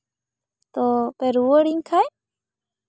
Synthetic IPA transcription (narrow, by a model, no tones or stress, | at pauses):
t̪opeɾuəɽiŋkʰaj